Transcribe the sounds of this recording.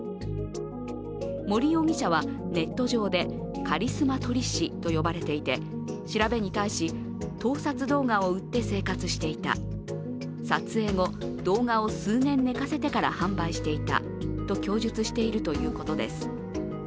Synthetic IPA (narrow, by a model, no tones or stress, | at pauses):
mo̞ɾʲio̞mʲiɕaβ̞a | ne̞t̪ːo̞ʑo̞ːd̪e̞ | kaɾʲisɨmat̪o̞ɾʲiɕit̪o̞jo̞baɾe̞t̪e̞it̪e̞ | ɕiɾabe̞ɲ̟it̪aiɕi | t̪o̞ːsat͡sɨd̪o̞ːŋaoɯ̟t̪ːe̞se̞ːkat͡sɨɕi̥t̪e̞it̪a̰ | sat͡sɨe̞ːŋo̞d̪o̞ːŋao̞sɨːnẽ̞nːe̞kase̞t̪e̞kaɾa̰hãmbaiɕi̥t̪e̞it̪a̰ | t̪o̞kʲo̞ːʑɨt͡sɨɕi̥t̪e̞iɾɯ̟t̪o̞jɯ̟ːko̞t̪o̞d̪e̞sɨ̥